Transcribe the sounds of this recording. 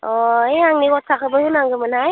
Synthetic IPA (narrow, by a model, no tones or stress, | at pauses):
ɔeaŋniɡɔt̚sakʰɯbəhunaŋɡɯmɯnaj